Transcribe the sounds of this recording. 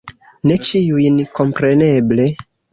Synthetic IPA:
ne̞t͡ʃiujnko̞mpɾe̞ne̞ble̞

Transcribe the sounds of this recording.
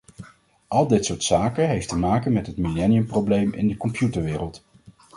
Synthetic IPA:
ʔɑlˠdɪtsʊːɹtsaːkəɦejftəmaːkənmɛtɦətmilɛnijəmprowblejmɪ̰ndəkɔmpjutəɹʋɪːrəlˠt

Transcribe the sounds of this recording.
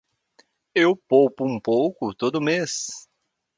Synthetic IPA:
ewpowpʊũpowkʊt̪od̪ʊmes

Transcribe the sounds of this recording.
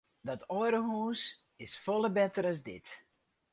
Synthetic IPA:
dɔtʰɔəɾəɦuːs | ɪsfɔlˠəbɛtəɾəzdɪt

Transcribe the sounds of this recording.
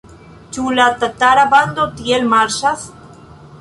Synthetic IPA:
t͡ʃulat̪at̪aɾaband̪ot̪jelmaɾʃas

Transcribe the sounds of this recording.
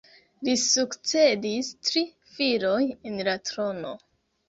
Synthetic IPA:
lisukt͡se̞distɾi | fiɾo̞jenlatɾo̞no̞̰

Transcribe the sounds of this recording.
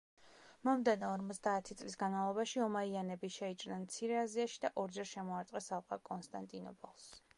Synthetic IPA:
mɔmd̪ɛnɔɔɾmɔt̪sʰd̪aːt̪ʰit̪sʼlisɡanmavlˠɔbaʃiɔmaianɛbiʃɛit͡ʃʼɾnɛnt̪sʰiɾɛaziaʃid̪aʔɔɾd͡ʒɛɾʃɛmɔaɾt̪sʼqʼɛsalˠqʼakʼɔnst̪ʼant̪ʼinɔ̰pʼɔlˠs

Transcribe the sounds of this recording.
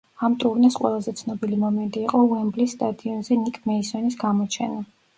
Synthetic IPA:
amt̪ʼuɾnasqʼwɛ̰lˠazɛt̪sʰnɔbilimɔmɛnt̪ʼiːqʼɔuɛmblisːt̪ʼad̪iɔnzɛnikʼmɛisɔnisɡamɔt͡ʃʰɛna

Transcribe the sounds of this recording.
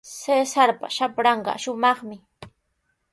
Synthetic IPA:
sesaɾpa̰ʃapɾɑɴɢɑ̰ʃʊmɑχmɪ

